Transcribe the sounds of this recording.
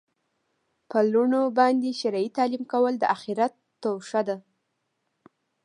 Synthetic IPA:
pəluɳobɑnd̪eʃaɾɑit̪ɑlimkawəld̪əʔaxiɾat̪ːowʂad̪a

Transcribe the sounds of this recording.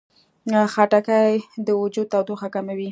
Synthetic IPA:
xaʈakajd̪əwʊd͡ʒud̪̚t̪awd̪oxakamawi

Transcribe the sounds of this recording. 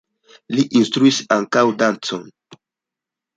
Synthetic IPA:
liʔinstɾuisaŋkawdant͡so̰n

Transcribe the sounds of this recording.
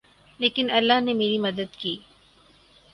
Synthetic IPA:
leːkɪnɐlːaɦnemeːɾimɐd̪əd̪kiː

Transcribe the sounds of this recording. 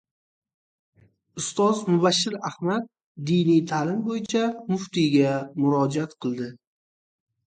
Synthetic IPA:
ʊst̪ɒzmʊbaʃːɪɾahmat̪̚ | d̪ijnijt̪ʰalɪmbojɪt͡ʃʰamʊft̪iɡʲamʊɾɒd͡ʒiat̪qʰɨlˠd̪ɪ

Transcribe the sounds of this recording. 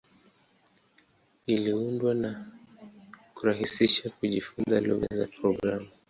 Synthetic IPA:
iliundwana | kuɾaɦisiʃakuʄifunzalṵɣa̰za̰pɾɔɡɾamu

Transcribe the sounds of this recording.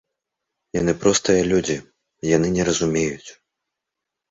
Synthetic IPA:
janɨpɾɔst̪ɨjɐlʲud͡zʲi | janɨnʲɛɾɐzumʲejut͡sʲ

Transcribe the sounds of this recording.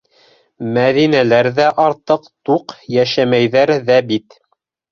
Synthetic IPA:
mæðinælæɾðæʔɑɾt̪ɤqt̪uqjæʃæmæjðæɾðæbit̪

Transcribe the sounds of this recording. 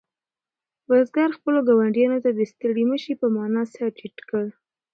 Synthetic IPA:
wazɡaɾxpəloɡawaɳɖijɑnot̪ad̪əst̪əɽiməʃipəmɑnɑsɑʈiʈkəɽ

